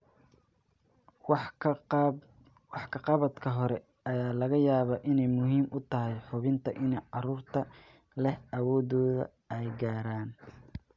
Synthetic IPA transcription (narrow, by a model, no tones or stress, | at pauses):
wɑħkʰɐqɑβɐd̪kʰɐɦɔɾɛ | ɐjaːlɐɣɐjaːβɐːʔɪnɛjmʊɦiːmʔʊt̪ʰɐɦɛjħʊβɪnt̪ʰɐʔɪnɛjʕɑɾuːrt̪ʰɐ | lɛhɐwɔːðɔːðɐ̰ | ɛjɡaːɾaːn